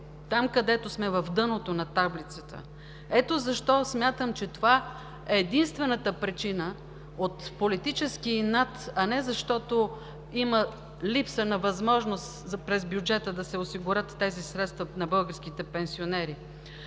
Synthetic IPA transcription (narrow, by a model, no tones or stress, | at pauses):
t̪amkɐd̪ɛt̪osmɛvɐfd̪ɤnot̪onɐt̪ablit̪sət̪ə̰ | ɛt̪ozɐʃt̪ɔsmʲjat̪əmt͡ʃɛt̪ova | ɛːd̪inst̪vɛnət̪əpɾit͡ʃinə | ot̪polit̪it͡ʃɛskinat̪ɐnɛzɐʃt̪ɔt̪o | imə | lipsənɐvɐzmɔʒnost̪zpɾɛzbjud͡ʒɛt̪əd̪ɐsɛosiɡʊɾət̪ːɛzisɾɛt̪st̪vɐnɐbɤlˠɡəɾsk̟it̪ɛpɛnsionɛɾi